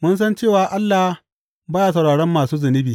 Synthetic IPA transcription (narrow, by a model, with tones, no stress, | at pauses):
mʊ˦ns̬ɐ˦nt͡ʃeː˦˨waː˨ʔa˦lːa˨h | baː˦ja˨sɐ˨wɽaː˨ɽɛ˦mːaː˨suː˦zɐ˨nɪ˦biː˨